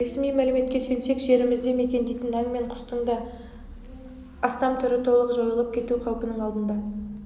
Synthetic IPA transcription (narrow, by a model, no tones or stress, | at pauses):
e̞smijmælɪme̞t̪kʲe̞sɵjnse̞kʒe̞ɾɪmɪzd̪e̞me̞kʲe̞nd̪ejt̪ɪnɑŋme̞ɴqʰʊ̥st̪əɴd̪ɑ | ɑst̪ɑmt̪ʰʏɾɪt̪ʰo̞lˠəqʒo̞jəlˠəp̚kʲʰe̞t̪uqʰɑwpənəɴɑlˠd̪ənd̪ɑ